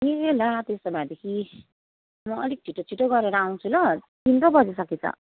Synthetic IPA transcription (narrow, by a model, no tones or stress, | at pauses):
meɾelat̪est̪ʌbʱad̪ekʰi | mʌːlik̚t͡sʰiʈːot͡sʰiʈːoɡʌɾeɾʌaw̃t͡sʰulʌ | t̪int̪obʌd͡zisʌkit͡sʰʌ̰